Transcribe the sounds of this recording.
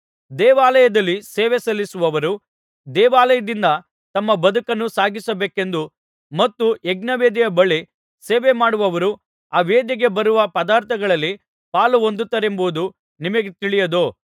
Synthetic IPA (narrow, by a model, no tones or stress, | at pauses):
d̪ɛːʋaːlɐjɐd̪ɐlːiseːʋesɐlːisuʋɐʋɐɾu | d̪ɛːʋaːlɐjɐd̪ind̪ɐ | t̪ɐmːɐbɐd̪ukɐnːusaːɡisɐbeːke̞nd̪u | mɐt̪ːuɛɡnɐʋeːd̪ijɐbɐɭi | seːʋemaːɽuʋɐʋɐɾu | aːʋeːd̪jiɡe̞bɐɾuʋɐpɐd̪aːɾt̪ʰɐɡɐɭɐlːi | paːluond̪ut̪ːɐɾe̞mbuud̪u | nimɐɡet̪iɭijɐd̪oː